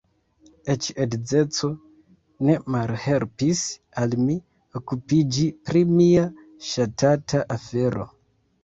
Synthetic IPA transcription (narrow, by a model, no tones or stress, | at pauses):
et͡ʃedd͡ze̞t͡so̞ | ne̞malhelpis | almi | okupid͡ʒipɾimia | ʃatatʰaʔafe̞ɾo̞̰